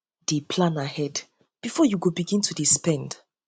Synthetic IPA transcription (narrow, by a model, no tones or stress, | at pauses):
d̥epʰlãnahɛd | b̥ifɔjuɡobiɡĩntʰudispɛ̃nd